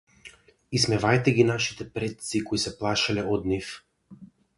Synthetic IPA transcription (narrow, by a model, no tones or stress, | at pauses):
ismɛvajt̪ɛɡinaʃi̥t̪ɛpɾɛt̪̚sikɔisɛplˠaʃalɛɔd̪nif